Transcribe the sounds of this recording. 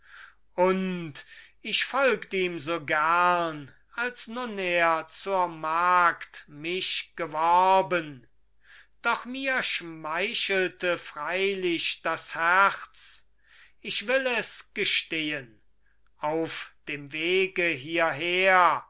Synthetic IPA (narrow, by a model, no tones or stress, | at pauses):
ʔʊntɪɕfɔlktiːmzoːɡæɐn | alsnʊneːɐt͡suːɐmaːktmɪʃɡ̥əvɔʁbən | d̥ɔχmiːɐʃmaɪʃəl̩təfʁ̥aɪlɪʃd̥ashæχt͡s | ɪʃv̥ɪlɛsɡ̥əʃteːən | ʔaʊfd̥eːmveːɡəɦiːɐɦeːɐ